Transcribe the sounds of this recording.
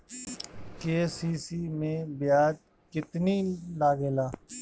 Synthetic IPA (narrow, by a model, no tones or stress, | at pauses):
keːsiːsiːmẽːbɪjaːd͡ʒ | kɪt̪niːlaːɡeːlaː